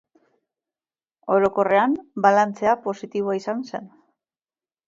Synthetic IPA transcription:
o̞ɾo̞ko̞re̞ambalant͡se̞apo̞sit̪iβoaisanse̞n

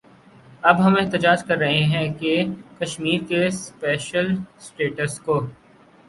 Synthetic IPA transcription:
ɐbɦɐmeːɦt̪ɪd͡ʒaːd͡ʒkɐɾːɐɦeɦɛ̃kekɐʃmiːɾkespɛːʃəlsʈeːʈəskoː

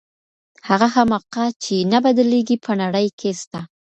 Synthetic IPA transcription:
haɣahamaqat͡ʃenabad̪əleɡipʰənaɽəjkʰest̪a

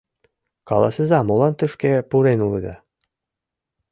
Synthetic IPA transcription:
kɑlˠɑsɤ̆zɑmolˠɑnt̪ɯfkʲepuɾenulˠɤd̪ɑ

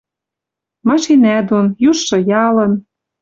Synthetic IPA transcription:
mɑʃinæd̪onjuʃːɤ̆jɑlɤ̆n

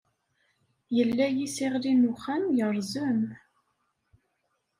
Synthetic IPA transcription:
jəlːæjisiʁlinuχænjəɾˤzəm

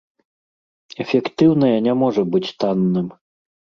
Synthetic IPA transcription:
ɛfʲɛkt̪ɨwnɐjɐnʲamɔʐɐbɨt͡sʲt̪anːɨm

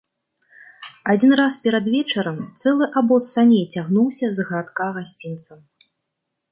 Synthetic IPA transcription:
ad͡zʲinraspʲɛɾɐd̪vʲɛt͡ʂɐɾɐmt̪sɛlˠɨʔabɔsːanʲejt͡sʲaɣnuwsʲɐzɣɐɾat̪kaɣasʲt͡sʲint̪sɐm

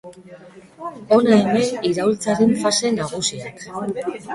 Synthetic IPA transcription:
o̞naeme̞iɾawlt͡saɾe̞ɱfase̞naɣusiak

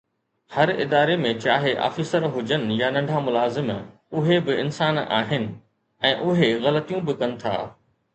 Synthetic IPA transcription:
hɐɾɪ̰d̪aːɾemẽt͡ɕaːɦeʔa̰ːfiːsəɾɦʊd͡ʑənɪ̆janɐ̃ɳɖʱãmʊlaːzɪm | ʊɦebɪɪnsaːna̰ːɦɪnɪ̆ | ɛ̃ːʔʊɦeɣɐlət̪ijũbɪkɐnɪ̆t̪ʰa̰ː

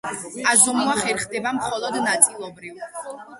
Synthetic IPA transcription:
azɔmuaχɛɾχd̪ɛbamχɔlˠɔd̪nat̪sʼilˠɔbɾiv

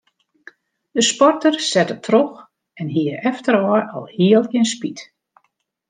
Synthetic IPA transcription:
d̥əspɔrtərsɛtətʰrox | ɛnɦiəɛftəɾɔəʔɔlˠhiəlˠɪnspit

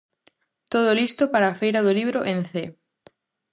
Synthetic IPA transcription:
t̪oð̞olist̪opaɾaːfejɾaðʊliβɾoʔẽnθe

